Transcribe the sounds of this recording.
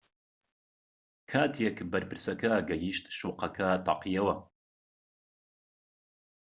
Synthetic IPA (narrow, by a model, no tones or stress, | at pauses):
kʰaːt̪ʰijekbɐɾpɨɾsɐkɐɡɐjiʃt̪ʃoːqɐkʰɐt̪ɑ̰qijɐwɐ